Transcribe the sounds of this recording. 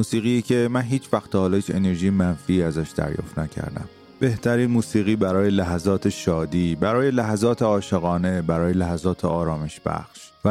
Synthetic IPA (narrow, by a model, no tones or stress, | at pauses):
muːsiːɣiːecʰe̞mænɦiːt͡ʃʰvæxt̪ʰːɒhɒːlɒhiːt͡ʃʰe̞ne̞ɾʒiːjemænfiːæzæʃd̪æ̰ɾjɒ̰ːft̪næcʰæ̰ɾd̪æ̰m | b̥e̞ht̪ʰæɾiːnmuːsiːɣiːbæɾɒːjelæɦæzɒːt̪ʰe̞ʃɒːd̪iːbæɾɒːje̞læɦæzɒːt̪ʰeɒːʃe̞ɣɒːne̞bæɾɒːje̞læɦæzɒːt̪ʰeɒːɾɒːme̞ʃb̥æ̰xʃvæ